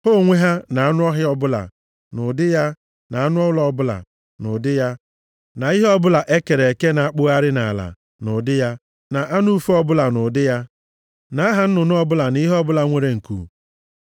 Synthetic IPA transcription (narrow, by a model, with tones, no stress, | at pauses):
ho˦˨ŋʷe˦ɦa˦na˨a˦nʊ˦ɔ˦ɦɪ˦ɔ˦bʊ˦la̰˨ | nʊ˨dɪ˦ja˦ | na˨a˦nʊ˦ɔ˦lɔ˦bʊ˦la̰˨ | nʊ̰˨dɪ˦ja˦ | na˨i˦ɦɔ˦bʊ˦la˨ʔe˦ke˨ɾe˨e˨ke˦na˨a˦k͡pʊ˦a˦ɾɪ˦na̰˨la̰˨ | nʊ˨dɪ˦ja˦ | na˨ʔa˦nu˦u˦fu˦ɔ˦bʊ˦la˨nʊ˨dɪ˦ja˦ | na˨a˦ɦa˨n̩˦nʊ˨nʊ˦ɔ˦bʊ˦la˨ni˦ɦɔ˦bʊ˦la˨ŋʷe˨ɾe˨ŋ̩˨kṵ˨